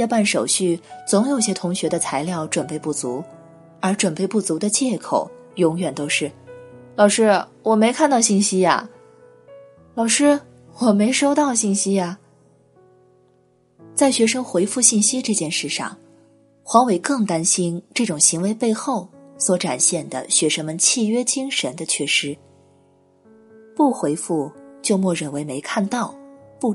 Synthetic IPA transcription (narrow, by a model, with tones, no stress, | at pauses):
jɑ˥˧pa˥˩nʂo˨˩ʊɕy˥˩t͡sʊ˧˥ŋjo˨˩ʊɕjɛ˥t̪ʰʊ˧˥ŋɕɥɛ˧˥d̪ə˧t͡sʰa˧˥ɪljɑ˥˩ʊʈ͡ʂwə˨˩npe˥˧ɪpu˥˩t͡su˧˥ | ə˞˧˥ʈ͡ʂwə˨˩npe˥˧ɪpu˥˩t͡su˧˥d̪ə˧t͡ɕjɛ˥˩kʰo̰˨˩˦ʊjʊ˧˥ŋjɥɛ˨˩nt̪o˥ʊʂɻ̩˥˩lɑ˨˩ʊʂɻ̩˥wɔ˨˩me˧˥ɪkʰa˥˧nt̪ɑ˥˧ʊɕi˥˩nɕi˥ja̰˨ | lɑ˨˩ʊʂɻ̩˥ | wɔ˨˩me˧˥ɪʂo˥ʊt̪ɑ˥˧ʊɕi˥˩nɕi˥ja˩ | t͡sa˥˩ɪɕɥɛ˧˥ʂɤ˥ŋxwe˧˥ɪfu˥˧ɕi˥˩nɕi˥ʈ͡ʂɤ˥˧t͡ɕjɛ˥˧nʂɻ̩˥˩ʂɑ̰˥˩ŋ | xwɑ˧˥ŋwe˨˩ɪkɤ˥˩ŋt̪a˥nɕi˥nʈ͡ʂɤ˥˩ʈ͡ʂʊ˨˩ŋɕi˧˥ŋwe˧˥ɪpe˥˧ɪxo˥˩ʊswɔ˧˥ʈ͡ʂa̰˨˩nɕjɛ˥˩nd̪ə̰˩ɕɥɛ˧˥ʂɤ˥ŋmə˧nt͡ɕʰi˥˩ɥɛ˥t͡ɕi˥ŋʂə˧˥nd̪ə˧t͡ɕʰɥɛ˥˩ʂɻ̩˥ | pu˥˩xwe˧˥ɪfu˥˩t͡ɕjo˥˧ʊmwɔ˥˩ɻə˨˩nwe˧˥ɪme˧˥ɪkʰa˥˧nt̪ɑ˥˧ʊpu˥˩